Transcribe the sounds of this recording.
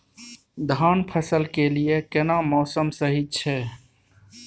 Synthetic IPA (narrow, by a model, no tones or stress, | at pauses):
d̪ʱaːnpʰəsəlkelijekenamɔːsəmsəɦit͡ʃʰɛ